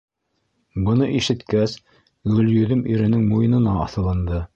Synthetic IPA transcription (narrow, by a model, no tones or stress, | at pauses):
bɤ̆nɤʔiʃɘ̆t̪kæs | ɡɵ̆ljɵ̆ðɘmiɾɘ̆nɘŋmujɤ̆nɤ̆nɑɑθɤ̆lˠɤ̆nd̪ɤ